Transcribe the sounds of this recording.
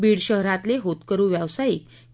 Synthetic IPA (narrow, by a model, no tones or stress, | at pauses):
biːɽɕəɦɾãt̪leɦot̪kəɾũːʋjaʋsaik̚